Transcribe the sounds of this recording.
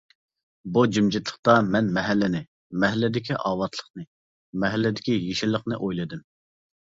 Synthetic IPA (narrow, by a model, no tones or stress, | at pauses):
bud͡ʒymd͡ʒɪt̪ʰlˠə̥χt̪ɑmɛnmɛɦɛlːɪnɪ | mɛɦlːɪd̪ɪkʲʰiʔɑːwɑt̪ʰlˠə̥χnɨ | mɛɦɛlːɪd̪ɪkʲijeʃɪlˠːəqnɨʔojlˠɨd̪ɪm